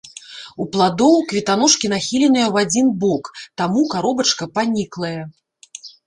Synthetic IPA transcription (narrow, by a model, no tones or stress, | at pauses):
uplˠad̪ɔwkvʲit̪anɔʂkʲinaxʲilʲɛnɨjɐwad͡zʲinbɔkt̪amukaɾɔbɐt͡ʂkɐpanʲiklˠɐjɛ